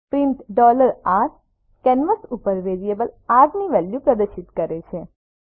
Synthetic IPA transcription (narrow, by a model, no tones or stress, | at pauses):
pɾɪmʈɖɔləɾaʈ | kɛnʋəsupəɾʋeɾiebəlaɡniʋɛljupɾəd̪əʃɪt̪kəɾet͡ʃʰe